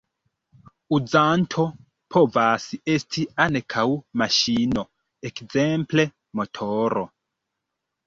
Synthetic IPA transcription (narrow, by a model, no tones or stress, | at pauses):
ud͡zantʰo̞ | pʰo̞vasestʰiankʰawmaʃino | ekze̞mple̞ | mo̞tʰoɾo̰